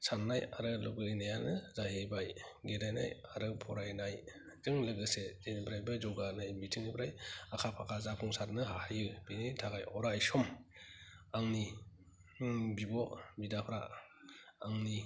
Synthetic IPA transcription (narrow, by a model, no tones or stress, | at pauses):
sanːajaɾɯlɔɡɯɾinajanɯzahebajɡedajna̰jaɾɯpʰɔɾajnaj | zɯŋlɯɡɯseenbɾajbad͡ʒɔɡanajmitʰɯŋibɾajakʰapʰakʰazapʰɔŋsaɾnɯɦahjɯb̥initʰaɡajɔɾajsɔm | aŋni | bibɔbidapʰɾa̰ | aŋni